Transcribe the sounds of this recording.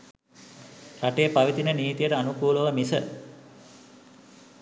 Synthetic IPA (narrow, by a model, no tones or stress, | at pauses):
ɾaʈejəpaʋit̪inəniːt̪ijəʈəanukuːləʋəmisə̰